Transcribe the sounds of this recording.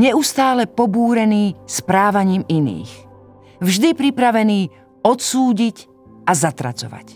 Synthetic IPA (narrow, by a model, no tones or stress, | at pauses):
ɲɛust̪aːlɛpɔbuːɾɛniːspɾaːʋaɲiːminḭːx | vʒd̪ipɾipɾaʋɛniː | ɔt̪suːɟic | azat̪ɾa̰t͡sɔ̰ʋa̰c